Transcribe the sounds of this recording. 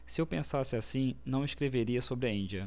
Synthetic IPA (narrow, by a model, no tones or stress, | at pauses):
sɪewpẽsasɪasĩnɐ̃w̃ɪʃkɾeveɾiɐsobɾɪɐĩd͡ʒiɐ